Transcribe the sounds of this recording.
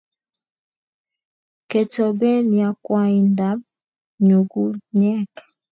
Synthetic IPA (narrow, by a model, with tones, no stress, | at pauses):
ke˨tɔ˨be˦nja˨kwa˦i˨nda˨˦m̚ | ɲu˨ɡu˦ɲɛ˦k